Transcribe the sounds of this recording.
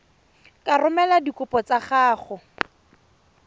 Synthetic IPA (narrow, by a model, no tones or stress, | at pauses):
kʼarʊmɛladikʊpɔt͡saχaːχʊ